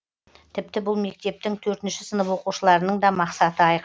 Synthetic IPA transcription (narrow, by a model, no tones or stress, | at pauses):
t̪ʰɪp̚t̪ɪbʊlˠme̞k̚t̪e̞p̚t̪ɪŋt̪ʰɵɾt̪ɪnʃɪsənəpwo̞quʃəlˠɑɾənəɴd̪ɑmɑqsɑt̪əɑjq